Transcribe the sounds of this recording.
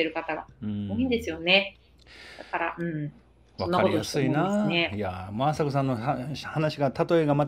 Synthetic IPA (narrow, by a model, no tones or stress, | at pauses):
e̞ɾɯ̟kat̪aɡa̰ɯ̃oĩnd̪e̞sɨjo̞ne̞ | d̪akaɾa̰ɯ̟̃ɴ | sβanːaɾkoit̪oaiseɨinanejamaːsakosãnːoahanaɕiɡat̪at̪o̞eɡama